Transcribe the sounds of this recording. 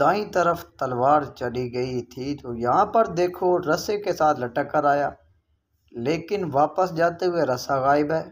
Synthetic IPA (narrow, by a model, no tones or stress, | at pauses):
d̪ãːĩt̪əɾəft̪ɐlʋaːɾt͡ʃɐɗiɡɐit̪ʰit̪oːjɐɦãpɐɾd̪eːkʰoɾɐsekesaːt̪ʰlɐʈəkːəɾaːjaː | leːkɪnʋaːpəsd͡ʒaːt̪eɦʊeɾɐsaɣaːɪbɦɛː